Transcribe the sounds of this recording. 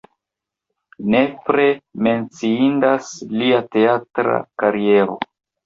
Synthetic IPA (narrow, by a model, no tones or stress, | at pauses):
ne̞pɾe̞me̞nt͡siindasliate̞atɾa̰kaɾie̞ɾo̞̰